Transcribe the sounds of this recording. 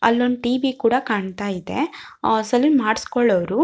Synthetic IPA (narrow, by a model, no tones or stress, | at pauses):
ɐ̰lːonʈiːʋikuːɽɐkaːɳt̪aːjid̪e̞̰sɐlimaːɽskɔɭːɐʋɾu